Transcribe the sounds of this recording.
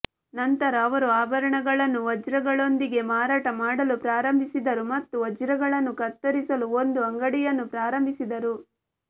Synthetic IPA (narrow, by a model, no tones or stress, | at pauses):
nɐnt̪ɐɾɐːʋɐɾuaːbɐɾɐɳɐɡɐɭɐnːuʋɐd͡ʒɾɐɡɐɭo̞nd̪iɡe̞maːɾaːʈɐmaːɽɐlupɾaːɾɐmbʱisid̪ɐɾumɐt̪ːuʋɐd͡ʒɾɐɡɐɭɐnːukɐt̪ːɐɾisɐluond̪uɐŋɡɐɽijɐnːupɾaːɾɐmbʱisid̪ɐɾu